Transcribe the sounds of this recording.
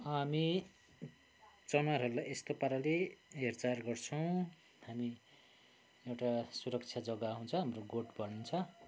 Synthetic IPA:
ʌmi | t͡sʌnaɾɦʌɾulajʔest̪opaɾaleɦert͡sarɡʌrt͡sʰʌw̃ | hami | ewʈasuɾʌkt͡sʰjad͡zʌɡaɦunt͡sʰʌɦamroɡoʈbʱʌlnunt͡sʰʌ

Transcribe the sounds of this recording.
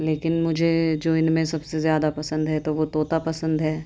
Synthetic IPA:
leːkɪnmʊd͡ʒʱed͡ʒoːɪnmẽsɐbsezjaːd̪apɐsə̃nd̪ɦɛt̪oʋot̪oːt̪apɐsə̃nd̪ɦɛː

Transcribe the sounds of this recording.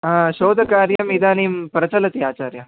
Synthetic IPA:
aɕoːd̪ʱəkaːɾjɐmid̪aːniːmpɾɐt͡sɐlət̪iaːt͡ɕaːɾja

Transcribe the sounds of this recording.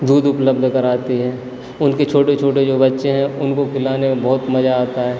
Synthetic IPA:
d̪uːd̪ʊpləb̚d̪ʱkɐɾaːt̪iɦɛː | ʊnket͡ʃʰoːʈet͡ʃʰoːʈed͡ʒoːbɐtːʃeɦɛ̃ʊnkokɪlaːnemẽbɐɦʊt̪mɐd͡ʒaaːt̪aɦɛː

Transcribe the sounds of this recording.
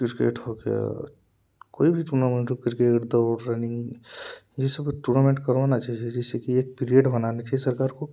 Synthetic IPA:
kɪɾkḛːʈhoɡeja̰ | koːibʱiʈuːɾnamẽɳʈokɾkeːʈd̪oɾɛnɪ̃ŋɡ | d͡ʒɛsəbʈuːɾnamẽɳʈkɐɾʋanat͡ʃaːɦied͡ʒɛːsekieːk̚piːɾijəɖbɐnaːnet͡ʃaːɦiesɐɾkaːɾko

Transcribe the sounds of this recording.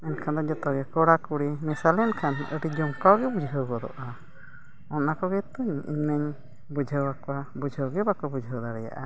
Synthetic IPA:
ɛnkʰand̪ɔd͡ʒɔt̪ɔɡɛkɔɽakuɽimɛsalɛnkʰanʔə̰ʈid͡ʒɔmkawɡɛbud͡ʒʱɦəwɡɔd̪ɔ̰ʔa | ɔnnakɔɡɛt̪ɔɲḭɲnəɲ | bud͡ʒʱəwakɔabud͡ʒʱəwɡɛbakɔbud͡ʒʱəwd̪aɾɛja̰ʔa

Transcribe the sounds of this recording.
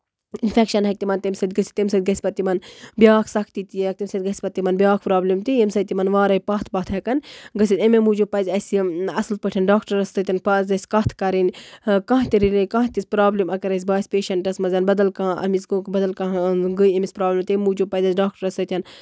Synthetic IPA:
infekʃɐnɦɐk̚t̪imɐnt̪ɐmʲsɐt̪̚ʲɡəsʲi̥t̪emsɐt̪̚ʲɡɐsʲpɐt̪ːimɐnbjaːkʰsɐkʰt̪it̪ijɐk̚t̪imʲsɐt̪̚ʲɡɐsʲpɐt̪ːimɐnbʲjaːkʰpɾaːblimt̪iimsɐt̪imɐnʋaːɾɐjpɐːt̪ʰbɐt̪ʰɦɐkɐnɡəsʲit̪ɐmemuːd͡ʒupɐzʲɐsiɐsɨlpəʈʰɐnɖaːkʈɐɾɐst̪ɨt̪ʲɐnpɐzɐsʲkɐt̪ʰkɐɾinʲkãːt̪iɾilekãːt̪isʲpɾaːblimɐkɐɾɐs̬ʲbaːsʲpeːʃɐɳʈɐsmɐzʲɐnbɐd̪ɐlkãːɐ̰mizɡokbɐd̪ɐlkãːɡəjemisʲpɾaːblimt̪emːuːd͡ʒupɐzɐzɖaːk̚ʈɐɾɐst̪ɐt̪ʲɐn

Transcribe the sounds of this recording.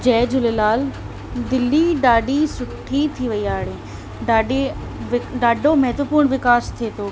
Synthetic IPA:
d͡ʒɛːd͡ʒʊlelaːl | d̪ɪlːiɖaːɖisʊʈʰːit̪ʰiʋɐiaːɽeː | ɖaːɖe | ʋɪɖaːɖomɛɦt̪ʋəpuːɾɳʋɪkaːst̪ʰeːt̪oː

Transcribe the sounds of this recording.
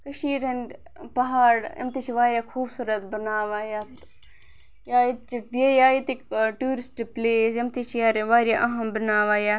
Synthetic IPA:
kɐʃiːɾɐnd̪ | pɐɦaːɽɐ̰mt̪it͡ʃʰiʋaːɾʲjaːkʰuːbsuːɾɐt̪bɐnaːʋaːjaːt̪ | jaːjit̪̚t͡ʃibjejaːjit̪ikʈuːɾisʈipleːsjɐmt̪it͡ʃʰijaːɾʋaːɾʲjaʔɐɦɐmbɐnaːʋaːjaː

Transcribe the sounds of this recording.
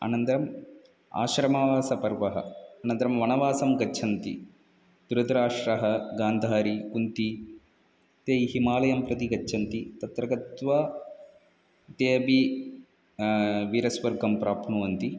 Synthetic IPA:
a̰ːnɐnt̪ɐɾɐm | a̰ːʃɾɐmaʋaːsɐpɐɾʋɐɦɐ̰ɐːnɐnt̪ɐɾɐmʋɐnɐʋaːsɐmɡɐːt͡ʃʰɐnt̪ḭ | d̪̥uɾɐd̪ɾaːʂɾɐɦɐɡaːnd̪ʱaːɾikunt̪i | t̪eːjɦimaːlɐjɐmpɾɐt̪iɡɐt͡ʃːʃʰɐnt̪it̪ɐt̪ɾɐɡɐt̪ʋa | t̪eːbi | ʋiːɾɐsʋɐɾɡʱɐmpɾaːpʰnɐʋɐnt̪i

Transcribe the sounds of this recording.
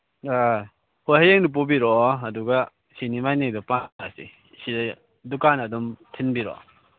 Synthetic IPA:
a | hojɦajeŋnip̬ubiɾɔːduɡa | sinimajneŋdɔpaasḭ | sida | dukanɐdɔmtʰinbiɾɔ̰

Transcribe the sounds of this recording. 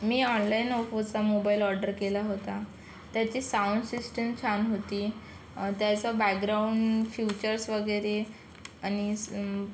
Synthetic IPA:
miːɔnlainɔfot͡samobailɔɾɖəɾkelaɦot̪a | t̪jat͡ɕiːsauɳɖsisʈəmt͡ɕʰanɦot̪iː | t̪jat͡sabakɡɾauɳɖfjut͡ɕəɾsʋəɡəɾe | añi

